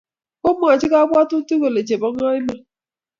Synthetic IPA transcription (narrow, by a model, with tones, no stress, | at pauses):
o˦m˦˨a˨t͡ʃɪ˦ka˦bʷa˦tʊ˦tu˦ko˨le˨t͡ʃe˨bɔ˦ŋ˦a˦ɪ˦na˨